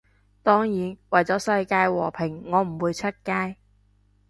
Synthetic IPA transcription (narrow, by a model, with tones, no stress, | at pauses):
t̪ɔː˥ŋjiː˨˥nwɐ˨jt͡sɔː˨˥sɐ˧jkaː˧jwɔː˨˩pʰɪ˨˩ŋːɔː˨˧˥m̩˨˩wuː˨˧jt͡sʰɵ˥t̚kaː˧j